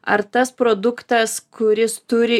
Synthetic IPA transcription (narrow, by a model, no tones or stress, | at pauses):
ɐ̰ɾt̪ɐspɾoːd̪ʊkt̪ɐskʊɾʲɪst̪ʊɾʲɪ